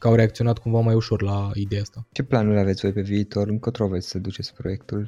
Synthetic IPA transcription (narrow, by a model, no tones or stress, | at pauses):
kəawɾeak̚t̪sio̞nat̪kuɱvamajuʃo̞rlaid̪e̞jaast̪at͡ʃe̞planulʲavet̪sʲvo̞jpe̞viːt̪o̞rɨŋkot̪ɾovet̪sʲsəd̪ut͡ʃe̞t̪sʲpɾo̞je̞kt̪ul